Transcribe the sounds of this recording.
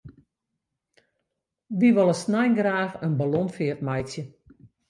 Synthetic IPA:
diʋɔlˠəsnajnɡraːfənbalonfɪətmajsjə

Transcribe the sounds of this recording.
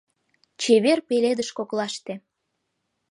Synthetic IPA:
t͡ɕeβerpeled̪əʃkoklɑʃt̪ĕ

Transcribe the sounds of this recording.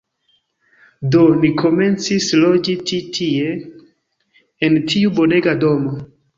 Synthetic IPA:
do̞nikʰo̞me̞nt͡sislo̞d͡ʒit͡ʃitʰie̞ | ntʰiubo̞ne̞ɡado̞mo

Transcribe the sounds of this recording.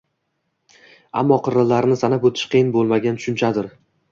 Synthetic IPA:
a̰mːɒqʰɨɾɪlːaɾnɪsanapot̪ʰɪ̥ʃqʰijɪnbolˠmaɡʲant̪ʰʊ̥ʃʊnt͡ʃʰad̪ɪɾ

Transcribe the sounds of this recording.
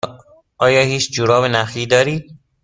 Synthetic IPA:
ʔɒːjɒːhiːt͡ʃd͡ʒuɾɒːvenæfiːd̪ɒːɾiːd̪̥̚

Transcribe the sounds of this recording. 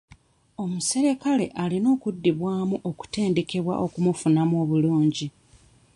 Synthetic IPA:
o̞muse̞ɾe̞kale̞̰ʔalino̞ːkudːiβwaːmuʔo̞ku̥te̞ːnde̞ke̞βwa̰ʔo̞kumufunamuo̞ːβuluːɲɟi

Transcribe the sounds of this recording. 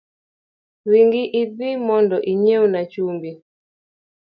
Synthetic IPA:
ɾiŋɡiʔiðimɔndɔʔiɲɛunat͡ʃumbi

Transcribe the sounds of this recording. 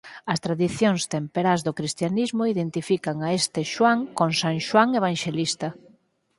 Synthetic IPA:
ɐst̪ɾaðiθjoŋst̪empeɾazðokɾist̪janizmoiðent̪ifikaŋaest̪ɪʃwaŋkoŋsaŋʃwaŋeβ̞aŋʃelist̪ɐ

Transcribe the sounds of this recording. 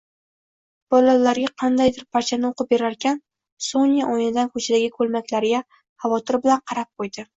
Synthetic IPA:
b̥ɒlalaɾɡʲaqʰɑnd̪ajd̪ɪɾpʰaɾt͡ʃʰanɪoqɨp̚be̞ɾaɾkʲʰan | sonʲijaʔɒjɪnɪd̪ankʰɵt͡ʃʰad̪aɡʲɪkʰɵlmakʲlaɾɪɡʲa | hɑvɒt̪ʰɪɾbɪlanqʰɑɾap̚qʰojd̪ɪ

